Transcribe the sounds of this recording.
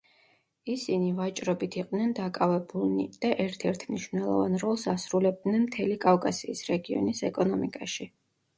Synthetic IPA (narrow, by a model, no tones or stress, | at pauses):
isinivat͡ʃʼɾɔbit̪ʰiqʼd̪nɛnd̪akʼavɛbulnḭd̪̥aʔɛɾt̪ʰɛɾt̪ʰmniʃvnɛlˠɔ̰va̰nɾɔlˠsasɾulɛb̚d̪nɛnmt̪ʰɛlikʼafkʼasiːsɾɛɡiɔ̰nisɛkʼɔnɔmikʼaʃi